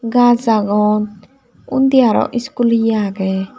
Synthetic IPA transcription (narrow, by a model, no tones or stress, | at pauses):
ɡazaɡɔn | und̪ijaɾɔ̰ʔiskulijaɡɛ